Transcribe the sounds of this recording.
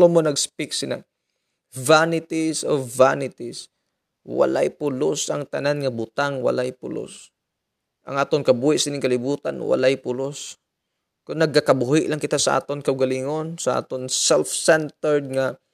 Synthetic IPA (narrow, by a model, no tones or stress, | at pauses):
omonɐɡspɪksɪla̰ | vanɪt̪isovanɪt̪is | wɐ̰la̰jpʊlosʔɐŋt̪ɐnanŋɐbʊt̪aŋwɐ̰lajpʊ̰lo̰s | ʔɐ̰ŋʔaːt̪oŋkɐbuːhɪʔsɪnɪŋkɐlɪbuːt̪a̰nwa̰lajpʊlos | kʊnːɐɡ̚kːakɐbuhɪʔlaŋkɪt̪asɐʔa̰ːt̪onkɐʔʊɡɐliŋonsɐʔa̰ːt̪onsɛlfsɛnt̪ɛɹd̪̚ŋa